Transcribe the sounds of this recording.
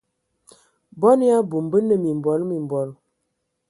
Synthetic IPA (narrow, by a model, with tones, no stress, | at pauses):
bɔ˦n˦a˦bu˨mbə˦nə˦mi˨m˨bɔ˨˦lmi˨m˨bɔ˨˦l